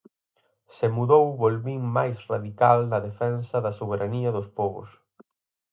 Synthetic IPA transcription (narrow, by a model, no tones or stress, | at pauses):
semuðowβolβiŋmajsraðikalnɐðefɛnsɐðɐsoβ̞eɾʔaniɐðʊspɔβʊ̰s